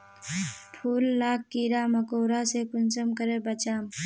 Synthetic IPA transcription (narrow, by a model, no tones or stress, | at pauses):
pʰuːlːaːkːiːɾaːmɐkoːɾasekʊnsəmkəɾebɐt͡ʃaːm